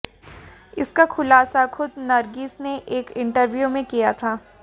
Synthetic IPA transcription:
ɪskaxʊlaːsaxʊd̪nɐɾɡiːsneʔeːkɪ̃ɳʈəɾʋjumẽkijat̪ʰaː

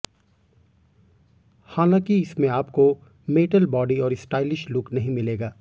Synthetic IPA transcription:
haːnãːkiɪsmẽaːpko | meːʈəlbɔːɖiɔːɾɪsʈaːɪlɪʃlʊknɐɦĩmɪleːɡaː

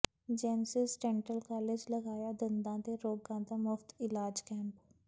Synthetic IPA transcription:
d͡ʒɛːnsɪsʈɛːɳʈəlkaːled͡ʒləɡaːjaːd̪ənd̪ãːd̪eːɾoːɡãːd̪aːmʊfʰt̪ɪlaːd͡ʒkɛ̃ːmp

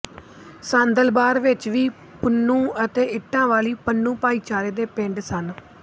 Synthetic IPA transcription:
sãːnd̪əlbaːɾʋɪt͡ʃʋiː | pənːũːət̪eːɪʈːãːʋaːliːpənːũːpaːiːt͡ʃaːɾeːd̪eːpɪ̃ɳɖsən

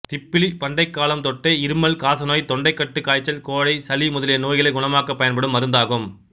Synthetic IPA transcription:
t̪ɪpːɪlipɐɳɖɐɪkːaːlɐmt̪ɔʈːeɪɾɯmɐlkaːsɐnoːjt̪ɔɳɖɐɪkːɐʈːɯkːaːjt͡ʃːɐlkoːɻɐɪsɐlimʊðɐlɪjɐnoːjɣɪlɐɪɡʊɳɐmaːkɐpːɐjɐnpɐɽɯmːɐɾɯnd̪aːɣɯm

